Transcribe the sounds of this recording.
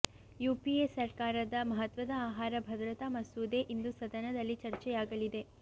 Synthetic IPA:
juːpiesɐɾkaːɾɐd̪ɐmɐɦɐt̪ʋɐd̪ɐaːɦaːɾɐbʱɐd̪ɾɐt̪amɐsuːd̪eʔind̪usɐd̪ɐnɐd̪ɐlːit͡ʃɐɾt͡ʃɛjaːɡɐlid̪e̞

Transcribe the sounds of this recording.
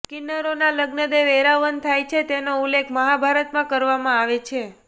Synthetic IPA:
kinːəɾonaləɡnəd̪eʋeɾaʋənt̪ʰajt͡ʃʰet̪enoulːekʰməɦabʱaɾət̪mãkəɾʋamãaʋet͡ʃʰe

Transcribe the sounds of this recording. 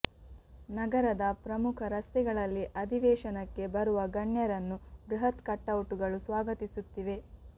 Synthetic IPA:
nɐɡɐɾɐd̪ɐpɾɐmukʰɐɾɐst̪ɛɡɐɭɐlːiʔɐd̪ʱiʋɛːʃɐnɐkːe̞bɐɾuʋɐɡɐɳjɐɾɐnːubɾuɦɐt̪kɐʈːɐwuʈuɡɐɭusʋaːɡɐt̪isut̪ːiʋe̞

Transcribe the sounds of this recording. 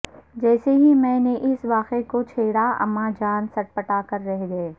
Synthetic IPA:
d͡ʒɛːseɦimɛ̃ːneʔɪsʋaːqekot͡ʃʰeːɽaɐ̰mãd͡ʒaːnsɐʈ̚pɐʈakɐɾːɛɦeɡe

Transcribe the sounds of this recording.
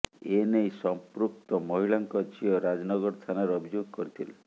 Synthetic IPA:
enejsɔmpɾuk̚t̪ɔmɔɦiɭaŋkɔd͡ʒiɔɾad͡ʒɔnɔɡɔɾst̪ʰanaɾɔbʱid͡ʒoɡɔkɔɾit̪ʰile

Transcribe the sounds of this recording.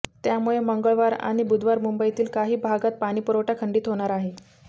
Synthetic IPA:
t̪jamuɭeməŋɡəɭʋaɾa̰ɽ̃ibud̪ʋaɾmumbəit̪iːlkaɦiːbʱaɡat̪̚paɽ̃iːpuɾowʈakʰəɳɖiːt̪ɦoɽ̃aɾaɦe

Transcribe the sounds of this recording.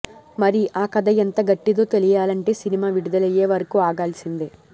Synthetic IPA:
mɐɾiʔaːkɐd̪ɐjent̪ɐɡɐʈːid̪oːt̪elijaːlɐɳʈe̞ːsinimaːʋiɽud̪ɐlɐjeːʋɐɾɐkuaːɡaːlsind̪i

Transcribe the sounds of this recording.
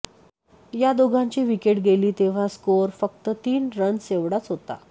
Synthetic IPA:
jad̪oɡʱãɲt͡ɕiːʋikeʈɡeliːt̪eʋ̤askoɾfək̚t̪ət̪iːnɾənseʋɽat͡sɦot̪a̰

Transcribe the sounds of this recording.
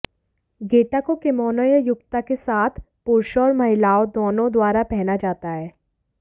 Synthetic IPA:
ɡeːʈakokemɔːnəjəjʊɡt̪akesaːt̪ʰ | pʊɾʃɔːɾmɐɦɪlaːod̪oːnõd̪waːɾapɛɦnad͡ʒaːt̪aɦɛː

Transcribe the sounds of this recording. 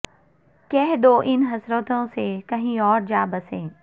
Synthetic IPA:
kɛɦɗ̪oːʔɪnɦɐsɾət̪õsekɐɦĩɔːɾd͡ʒaːbɐsẽː

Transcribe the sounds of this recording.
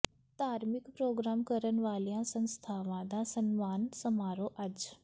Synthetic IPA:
t̪aːɾmɪkpɾoːɡɾaːmkəɾənʋaːlijãsə̃nst̪ʰaːʋãd̪aːsənmaːnsɐmaːɾoːʔɐd͡ʒ

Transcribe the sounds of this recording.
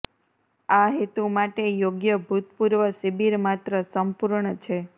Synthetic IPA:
aɦit̪umaʈejoɡjəbʱut̪puɾʋəsibiɾmat̪ɾəsəmpuɾɳət͡ʃʰe

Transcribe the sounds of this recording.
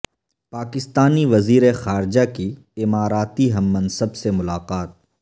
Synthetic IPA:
paːkɪst̪aːniʋɐziːɾexaːɾd͡ʒaki | ɪmaːɾaːt̪iɦɐmːɐnsəbsemʊlaːqaːt̪̚

